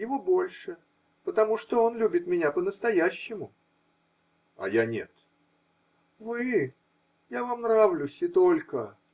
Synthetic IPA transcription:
jɪvobo̞lʲʂɨ | pət̪ɐmuʂt̪oo̞nlʲubʲɪt̪mʲɪnʲapənəst̪ɐjæɕːɪmʊ | ɐ̰janʲe̞t̪ | vɨ | javamnɾavlʲʊsʲɪt̪o̞lʲkə

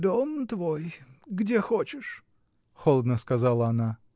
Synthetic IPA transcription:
d̪omt̪vojɡdʲexot͡ɕɪʂ | xolˠəd̪nəskɐzalˠəɐna

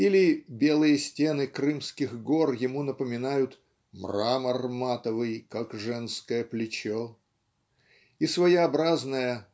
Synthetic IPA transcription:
ilʲɪbʲelˠɨjəsʲtʲe̞nɨkɾɨmskʲɪxɡorjɪmunəpəmʲɪnajʊt̪ | mramɐrmat̪əvɨjkakʐɛnskəjəplʲɪt͡ɕo | isvɐjɐbɾaznəjə

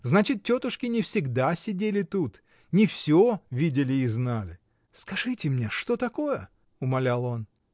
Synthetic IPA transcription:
znat͡ɕɪt̪̚tʲo̞t̪ʊʂkʲɪnʲɪfsʲɪɡd̪asʲɪdʲelʲɪt̪ut̪ | nʲɪfsʲovʲidʲɪlʲɪːznalʲɪ | skɐʐɨtʲɪmnʲe̞ʂt̪o̞t̪ɐko̞jə | ʊmɐlʲalˠo̞n

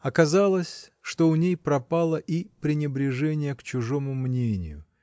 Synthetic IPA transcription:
ɐkɐzalˠəsʲʂt̪oʊnʲejpɾɐpalˠəʔipɾʲɪnʲɪbɾʲɪʐɛnʲɪjəkt͡ɕʊʐomʊmnʲenʲɪ̰jʊ̰

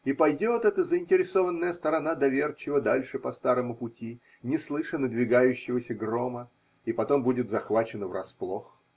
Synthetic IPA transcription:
ipɐjdʲo̞t̪ɛt̪əzəɪnʲtʲɪɾʲɪso̞vənːəjəst̪əɾɐnad̪ɐvʲert͡ɕɪvəd̪alʲʂɨpɐst̪aɾəmʊpʊtʲi | nʲɪslˠɨʂənəd̪vʲɪɡajʉɕːɪvəsʲəɡro̞mə | ipɐt̪o̞mbudʲɪt̪zɐxvat͡ɕɪnəvrɐsplˠox

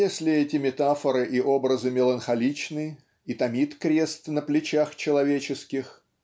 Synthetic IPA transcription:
esʲlʲɪɛtʲɪmʲɪt̪afəɾɨʔiʔo̞bɾəzɨmʲɪlˠənxɐlʲit͡ɕnɨ | it̪ɐmʲit̪kɾʲe̞st̪nəplʲɪt͡ɕaxt͡ɕɪlˠɐvʲet͡ɕɪskʲɪx

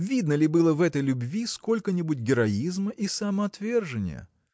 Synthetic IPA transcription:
vʲid̪nəlʲɪbɨlˠəvɛt̪əjlʲʊbvʲisko̞lʲkənʲɪbut̚ʲɡʲɪɾɐizməʔisɐmɐɐt̪vʲe̞rʐɨnʲɪ̰jə̰

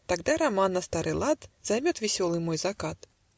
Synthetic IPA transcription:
t̪aɡd̪aɾamanːɐst̪aɾɨlˠat̪z̥ajmʲɔt̪vʲɛsʲɔlˠɨmɔjzakat̪

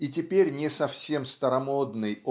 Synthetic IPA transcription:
it̬ʲɪpʲeɾʲnʲɪsɐfsʲe̞mst̪əɾɐmod̪nɨjo

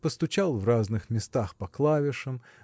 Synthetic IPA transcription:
pəst̪ʊt͡ɕalˠvraznɨxmʲɪst̪axpɐklˠavʲɪʂəm

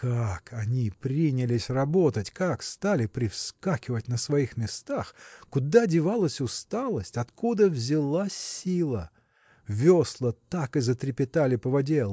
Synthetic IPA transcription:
kakʰɐnʲipɾʲinʲɪlʲɪsʲrɐbo̞t̪ətʲkakst̪alʲɪpɾʲɪfskakʲɪvət̚ʲnəsvɐixmʲɪst̪axkʊd̪adʲɪvalˠəsʲʊst̪alˠəsʲtʲɐt̪kud̪əvzʲɪlˠailˠə | vʲoslˠət̪akɨzət̪ɾʲɪpʲɪt̪alʲɪpəvɐdʲelˠ

